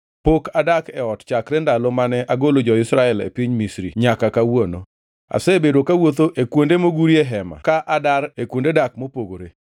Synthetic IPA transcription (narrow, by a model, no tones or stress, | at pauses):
pokadakɛɔtt͡ʃakɾɛndalɔmanɛʔaɡolod͡ʒɔɪsɾaɛlḛpiɲmisɾiɲakakawono̰ | a̰sɛbedokawot̪̬oʔekwondemoɡuɾieɦɛma̰kaʔadaɾekwondedak̚mopoɡoɾe